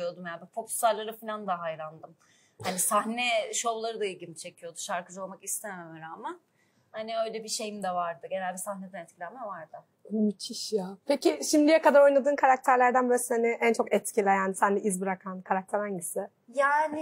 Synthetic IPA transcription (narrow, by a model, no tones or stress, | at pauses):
jod̪umjabɛfopu̥saɾlˠaɾɯfinʲand̪aɦajɾand̪ɯm | hanisahnɛʃo̞wlˠaɾɯd̪ailʲɟilʲit͡ʃʰe̞cʰijo̞d̪uʃaɾkɯd͡ʒalˠamakist̪ʰemmɯɾaːmɯ | haniø̞jlʲɛbiʃe̞jimd̪ɛvaɾd̪ɯɟe̞nælʲbisahned̪ɛnɛt̪cʰilʲɛnmɛvaɾd̪ɯ | myt̪ʰiʃjaːpʰeciʃimd̪ijɛkad̪aɾo̞jnˠad̪ɯːnkʰaɾak̚t̪ʰæɾlʲæɾd̪ænbiɾashanɪʔænt͡ʃʰo̞kɛt̪cʰilʲɛjaːnisænd̪ɛizbiɾakʰankʰaɾak̚t̪ʰɛɾhaɲɟisɪ | jaːnɪ